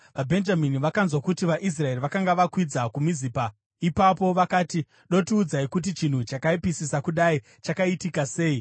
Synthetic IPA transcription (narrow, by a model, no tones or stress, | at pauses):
ʋabʱe̞nd͡ʒaminiʋakanzwakutiʋaʔis̬rae̞riʋakaŋɡaʋakwid͡zakumiziːpa | ipapo̞ʋakaːti | ɗo̞tiuːd͡zaikut̬it͡ʃin̤ut͡ʃakaipisisakuɗai | t͡ʃakaitikase̞ːi